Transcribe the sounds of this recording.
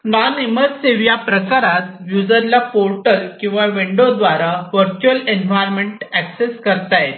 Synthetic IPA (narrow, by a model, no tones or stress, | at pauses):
ʋaneməseʋjapɾəkaɾat̪ʋjud͡zəɾlapoɾʈəlkĩw̃ʋaʋiɳɖod̪ʋaɾaʋəɾt͡ɕuəlenʋajɾmeɳʈækseskəɾt̪ajet̪